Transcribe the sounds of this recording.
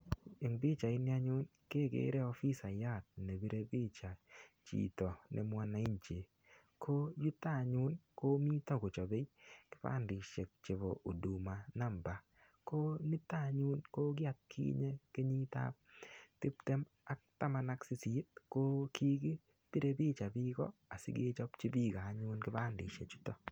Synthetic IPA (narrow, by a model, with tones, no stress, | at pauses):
e˨ŋbi˦t͡ʃa˨ɪ˦nja˦ɲʊ˦nke˦ɡḛ˦ɾɛ˦ɔ˦fi˦sa˨ja˦˨t̪̚ne˨bi˦ɾe˦bi˦t͡ʃa˨t͡ʃḭ˨tɔ˨nʔɛ̰˨mwa˦na˨i˦ɲt͡ʃe˨ | kʰo˦ju˦ta˦˨ɲu˦nko˦mi˦tɔ˦ɡo˨t͡ʃɔ˨be˦jkɪ̥˦pa̰˦˨ndɪ˨ʃe˨k̚t͡ʃe˨βo˨ʔo˨du˨ma˨na˦mba˨ | ko˦nɪ˦ta˦˨ɲu˦nko˦ɡɪ˦a˦t̪̚kʰḭ˦ɲe˦ke˦ɲi˦ta̰˦ptɪ˦pte˦m | a˦k̚ta˦ma˨na˦ksɪ˦si˨˦t̚ko˦ki˦ɡi˦ | ti˦ɾe˨bi˦t͡ʃa˨bi˦ɡɔ̰˦a˨sɪ̰˦ɡḛ˦t͡ʃɔ˦t͡ʃi˦bi˦ɡa˨˦ɲu˦nkɪ˦pa˦ndɪ̰˨ʃḛ˨t͡ʃu̥˦tɔ˦